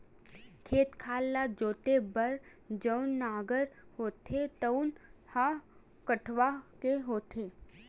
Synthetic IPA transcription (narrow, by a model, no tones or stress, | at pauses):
kʰeːt̪kʰaːlːad͡ʒoːt̪ebəɾ | d͡ʒəːnːaːɡəɾhoːt̪ʰet̪ənha | kəʈʰʋakeɦoːt̪ʰeː